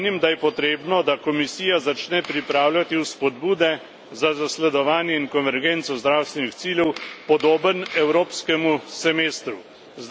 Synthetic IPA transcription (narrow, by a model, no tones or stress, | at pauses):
nimd̪ajɛpɔt̪ɾeːbnɔd̪akɔmisiːjazat͡ʃnɛpɾipɾaːwlʲat̪iwspɔd̪buːd̪ɛ | zazaslɛd̪ɔʋaːnjɛiŋkɔnʋɛɾɡeːnt̪sɔzd̪ɾaːwst̪ʋɛnixsiːlʲjɛwpɔd̪oːbənɛwɾoːpskɛmusɛmeːst̪ɾu | z